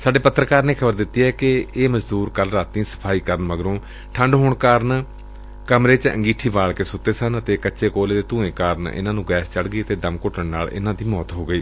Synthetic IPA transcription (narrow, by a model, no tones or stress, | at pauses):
saːɖeːpət̪ːɾəkaːɾneːkʰəbəɾd̪ɪt̪ːiːɛːkɪeːməd͡ʒd̪uːɾkəlɾaːt̪ĩːsə̥pʰaːiːkəɾənʋəɡɾõː | ʈʰəɳɖɦoːɳkaːɾən | kəmɾeːt͡ʃə̰̃ŋɡiːʈʰiːʋaːɭkeːsʊt̪ːeːsənət̪eːkəːʃeːkoːleːd̪eːt̪ũːẽːkaːɾənɪ̰nãːnũːɡɛːst͡ʃəɽɡəiːət̪eːd̪əmkʊʈʰəɳna̰ːlɪ̰nãːd̪iːmɔːt̪ɦoːɡəiː